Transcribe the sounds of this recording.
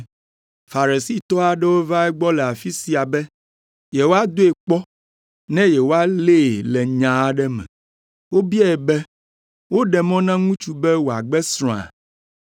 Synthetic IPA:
fa˨ɾe˨si˦t̪ɔ˦a˨ɖɛ˦wo˦va˦ɛ˦ɡ͡bɔ˦lɛ˨a˨fi˦si˨a˨bɛ˦ | jɛ˨wo˦a˦d̪o˦e˨k͡pɔ˦ | nɛ̃˦jɛ˨wo˦a˦le˦˨lɛ˨ɲã˨ɖɛ˦mɛ̰̃˨ | wo˦bi˦a˦ɛ˨bɛ˦ | wo˦ɖɛ˨mɔ̃˦nã˦ŋũ˦t͡ʃu˦bɛ˦wo˨a˨ɡ͡bɛ˦sɾ̃ɔ̃˨a̰˨

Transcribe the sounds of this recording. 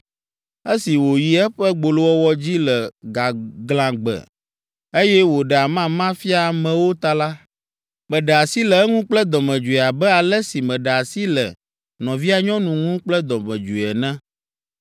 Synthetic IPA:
e˦si˨wo˨ji˨ɛ˦ɸɛ˦ɡ͡bo˨lo˦wɔ˦wɔ˦d͡ʑi˦lɛ˨ɡa˨ɡlã˨ɡ͡bɛ̰˨ | e˦jɛ˦wo˨ɖɛ˨a˨mã˦mã˦fi˦a˨mɛ̃˨wo˦t̪a˦la˦ | mɛ̃˨ɖɛ˨a˨si˦lɛ˨ɛ˦ŋũ˦k͡plɛ˦d̪ɔ˨mɛ̃˨d͡ʒu˨i˨a˨bɛ˦a˨lɛ˦si˨mɛ̃˨ɖɛ˨a˨si˦lɛ̰˨ | nɔ̃˨vi˦a˨ɲɔ̃˦nũ˨ŋũ˦k͡plɛ˦d̪ɔ˨mɛ̰̃˨d͡ʒu˨ɛ˨nɛ̃˦

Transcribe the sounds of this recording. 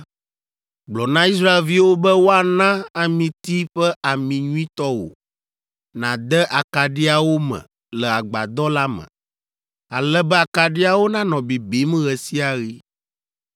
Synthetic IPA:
ɡ͡blɔ˨nã˦i˦s̬ɾa˦e˦˨lvi˦wo˦bɛ˦wo˦a˨nã˦a˨mĩ˨t̪i˦ɸɛ˦ʔa˨mĩ˨ɲũ˦ĩ˦t̪ɔ˦wo̰˨ | nã̰˨d̪ɛ˦ʔa˨ka˨ɖi˦a˨wo˦mɛ̰̃˨ | lɛ˨a˨ɡ͡ba̰˨d̪ɔ˦la˦mɛ̰̃˨ | a̰˨lɛ˦bɛ˦a˨ka˨ɖi˦a˦wo˦nã˦nɔ̃˨bi˨bi˨˦m˦ɣɛ˨si˦a˨ɣi˦

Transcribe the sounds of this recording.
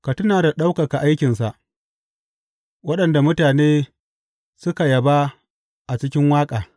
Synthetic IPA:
ka˨tʊ˦naː˨da˨ɗa˦wka˨ka˨ʔa˦jkʲɪ˨nsa˨ʔ | wɐ˦ɗɐ˨nda˨mʊ˦taː˨neː˦ | sʊ˦ka˨jɐ˨ba˦ | ʔa˨t͡ʃɪ˦kʲɪ˦ŋwaː˦kʼaː˨

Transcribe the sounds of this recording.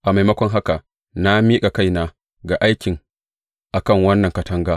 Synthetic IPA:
ʔa˨ma˨jmɐ˦kʷɔ˦ŋɦa˦ka˨ | na˦miː˦ka˨ka˦jnaː˦ | ɡa˨ʔa˦jkʲɪ˨ŋ | ʔa˨kɐ˦˨ŋwɐ˦nːɐ˨ŋkɐ˨tɐ˦ŋɡaː˦

